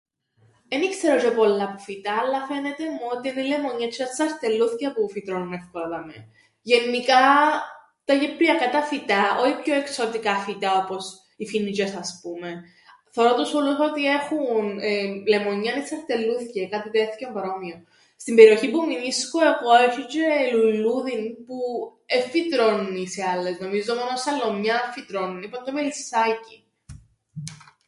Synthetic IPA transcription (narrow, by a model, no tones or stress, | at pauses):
enikse̞ɾot͡ʃepolːɐpufit̪ɐːlːɐfe̞net̪emuot̪ienelemo̞ɲːɐt͡ʃʰːiɐsɐɾt̪elːuθcɐpufit̪ɾonunefkoðɐmḛ | ʝe̞nːikɐ | t̪ɐʝepɾiɐkɐt̪ɐfit̪ɐoçipçoeksot̪ikɐfit̪ɐo̞po̞s | ifinit͡ʃesɐspume | θeoɾot̪usxolusot̪ie̞xunle̞moɲːɐnesɐɾt̪elːuθcekɐt̪itesθi̥cempɐɾo̞mio | st̪imbe̞ɾio̞çipuminiskoe̞ɣo̞efit͡ʃeluluðinpu | efːit̪ɾo̞nuniseɐlːe̞zno̞mizoomonosɐlːo̞mɲɐfit̪ɾonunipond̪omelisɐci